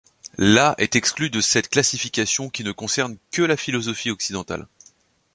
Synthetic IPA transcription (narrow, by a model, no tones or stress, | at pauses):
laʔɛt̪ɛksklyd̪əsɛt̪klasifikʲasjɔ̃kʲinəkɔ̃sɛʁnkəlafilɔzɔfiɔksid̪ɑ̃t̪a̰l